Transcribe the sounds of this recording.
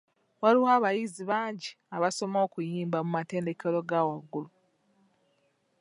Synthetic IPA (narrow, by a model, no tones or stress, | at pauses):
waɾiwaːβajiziβaːɲɟi | aβaso̞mo̞ːkujiːmbamumate̞ːnde̞ke̞lo̞ɡawaɡːulu